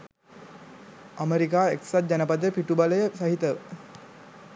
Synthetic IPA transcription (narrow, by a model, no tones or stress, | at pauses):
ameɾikaːeksat̪̚d͡ʒænəpad̪jəpiʈubaləjəsaɦit̪əʋə̰